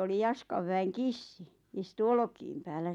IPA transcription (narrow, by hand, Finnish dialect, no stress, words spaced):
oli jɑskɑʋ ʋæeŋ kisːi istu olŏkiːm pæːlːæ